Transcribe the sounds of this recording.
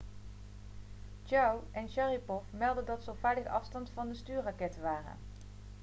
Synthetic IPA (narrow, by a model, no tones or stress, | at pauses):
d͡ʒawʔɛnʃaripɔfmɛlˠdədɑtsəɔfaːdəɣʔɑfstɑntfɑndəstyːɹrɑkɛtəʋaːrə̰n